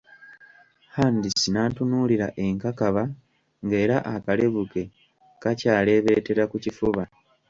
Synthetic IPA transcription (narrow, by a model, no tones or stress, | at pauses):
haːndisinaːntunuːliɾaʔe̞ŋkakaβa | ŋɡe̞ːɾaʔakale̞βuke̞ | kacaːle̞ːβe̞ːte̞ɾakucifuβa